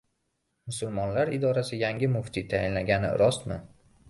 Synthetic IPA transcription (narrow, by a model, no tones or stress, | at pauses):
mʊsʊlmɒnlaɾɪd̪ɒɾasɪjaŋʲɪmʊft̪ʰit̪ʰajɪnlaɡʲanɪ̰ɾɒst̪mɪ